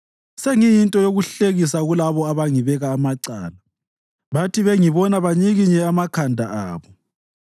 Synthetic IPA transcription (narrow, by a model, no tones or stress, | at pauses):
seŋijintʼɔjoɣuɬeɣisaɣulaβɔaβaŋiβɛɣaːmaǀa̰ːla | βatʰiβeŋiβɔnaβaɲiɣiɲɛamakʰandʱa̰ʔaːβɔ